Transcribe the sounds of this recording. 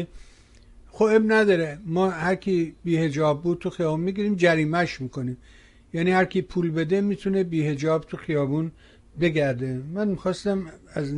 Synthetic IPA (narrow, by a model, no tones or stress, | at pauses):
xoebnæd̪ɒɾemɒːhæɾkʰibiːhe̞d͡ʒɒːbːud̪̚t̪ʰuxijɒːbuːnmiɡiɾiːmd͡ʒæɾiːmæʃmiːkoniːm | jæːniːhæɾkʰʲipʰuːlbed̪emiːt̪ʰunebiːhe̞d͡ʒɒːbt̪ʰuxijɒːbuːn | be̞ɡæɾd̪emænmixɒːst̪æmæz